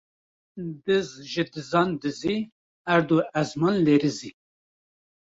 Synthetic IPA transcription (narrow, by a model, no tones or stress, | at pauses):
d̪ɨzʒɨd̪ɨzɑnd̪ɨzi | æɾd̪oɛzmɑːnleːɾɨzi